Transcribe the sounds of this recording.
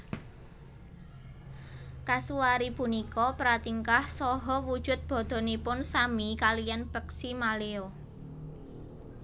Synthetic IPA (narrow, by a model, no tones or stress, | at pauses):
kasuaɾipunikɔpɾat̪iŋkahsɔɦɔwud̥ʒ̥ʊ̤t̪̚b̥ɔ̤d̪̥ɔ̤nipʊnsamikalijanb̥əksimaleo